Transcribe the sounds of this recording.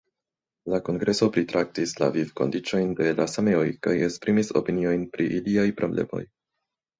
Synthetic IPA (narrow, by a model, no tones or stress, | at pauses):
lako̞ŋɡɾʔe̞so̞pɾitɾʔak̚tisla̰vivko̞̰ndit͡ʃo̞jnde̞lasame̞o̞jkaje̞spɾimiso̞̰pinio̞jnpɾiʔiliajpɾo̞ble̞̰mo̞̰j